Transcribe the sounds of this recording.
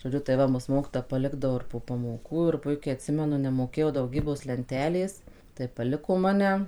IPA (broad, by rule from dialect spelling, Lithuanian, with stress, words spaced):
ʒoːˈd͡ʒʲʊ tɐɪ ˈʋɐ mʊs ˈmoːkʲiːtoːjɛ pɐˈlʲɪɡdɐʋoː ɪr poː pɐmoːˈkuː ɪr pʊɪˈkʲɛɪ ɐtʲˈsʲɪmʲɛnʊ nʲɛmoːˈkʲeːjɛʊ dɐʊˈɡʲiːboːs lʲɛnʲˈtʲæːlʲeːs tɐɪ pɐˈlʲɪkoː mɐˈnʲɛ